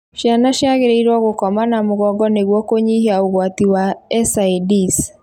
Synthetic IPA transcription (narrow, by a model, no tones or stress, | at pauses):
ʃjanaʃjaɣeɾeiɾwɔɣokɔmanamʊɣɔɡɔneɣwɔkoɲihiauɣwatiwaɛsaidis